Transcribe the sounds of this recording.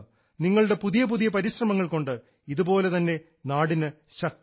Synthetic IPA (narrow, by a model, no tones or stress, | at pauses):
niŋːɐɭuɽe̞puðijɐpuðijɐpɐɾiɕrɐmɐŋːɐɭko̞ɳɖɨ | iðubo̞ːle̞t̪ɐnːe̞ | naːɽinɨ | ɕɐk̚t̪